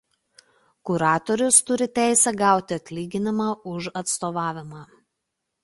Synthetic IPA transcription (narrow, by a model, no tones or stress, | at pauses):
kʊɾɑːt̪ɔɾʲʊst̪ʊɾʲɪt̪ʲæˑɪsʲɛɡɑˑʊt̪ʲɪɐt̪ʲlʲiːɡʲɪnʲɪmɑːʊʃɐt̪st̪oːʋɑːʋʲɪmɑː